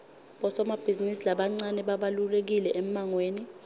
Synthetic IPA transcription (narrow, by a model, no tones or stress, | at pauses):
ɓɔsɔmab̥ʱizinisilaɓaŋ͡ǀanɛɓaɓalulek̬ilɛʔɛm̩aŋweːni